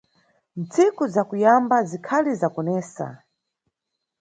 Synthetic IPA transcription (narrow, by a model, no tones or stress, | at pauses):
nt͡sikuzakujambazikʰalizakɔnɛːsa̰